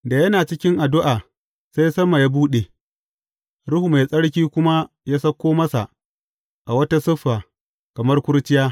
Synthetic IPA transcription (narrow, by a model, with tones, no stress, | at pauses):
da˨jɐ˦naː˨t͡ʃɪ˦kʲɪ˦ŋʔa˨dʊ˦ʔaː˨ | sa˦jsɐ˦ma˨ja˦buː˦ɗe˨ | ɽʊ˦hu˨ma˨jsʼɐ˦ɽkʲiː˦kʷʊ˦ma˦ | jaː˦sɐ˦kʷːoː˦mɐ˦sa˨ | ʔa˨wɐ˦ta˦sʊ˦ɸːaː˨ | kɐ˨mɐ˦rkʷʊ˦ɽt͡ʃɪ˦jaː˦